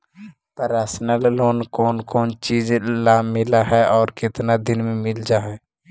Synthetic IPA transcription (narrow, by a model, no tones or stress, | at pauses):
pəɾasnəlːoːnkɔːnkoːnt͡ʃid͡ʒlamɪlaɦɛɔːɾkɪt̪nad̪ɪnmẽmɪld͡ʒaɦɛː